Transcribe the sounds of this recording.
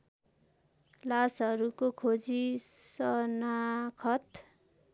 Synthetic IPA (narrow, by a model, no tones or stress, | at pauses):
lasɦʌɾukokʰod͡zisʌnakʰʌt̪